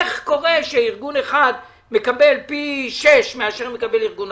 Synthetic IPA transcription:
χko̞ʁe̞ʃeiʁɡuneχad̪ | mekabe̞lpiʃeʃmeaʃeʁmekabeliʁɡun

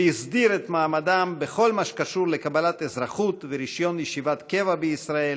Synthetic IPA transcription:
izd̪iɾet̪maːmad̪ambeχo̞lmaʃkaʃuɾlekabalat̪ezɾaχut̪veɾiʃjo̞njeʃivat̪ke̞vabeisɾael

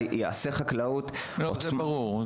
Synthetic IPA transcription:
jea̰seχaklaut̪loozmbaʁuʁ

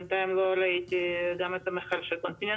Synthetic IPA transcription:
t̪aimloɾait̪iɡamet̪amexalʃelkont̪ine

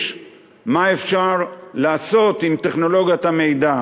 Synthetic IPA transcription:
ʃ | maefʃaʁlaːso̞t̪imt̪e̞χno̞lo̞ɡjat̪ame̞jd̪a

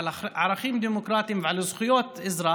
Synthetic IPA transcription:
ʕaɾˤɑxiːmd̪iːmʊkɾˤɑːt̪imvʕalazˤxʊjoːt̪ʔɪzɾˤɑː

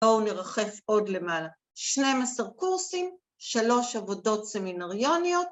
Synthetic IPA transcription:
ouneʁaχe̞fo̞dle̞maːla | ʃne̞masaʁkuʁsim | ʃalo̞ʃavo̞do̞tse̞minaʁjo̞nijo̞t̚

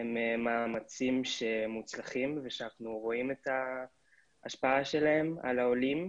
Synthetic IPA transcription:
emmaːmat͡simʃe̞mut͡slaχimveʃeanaχnuʁo̞imeta | aʃpaaʃe̞lae̞ma̰lao̞lim

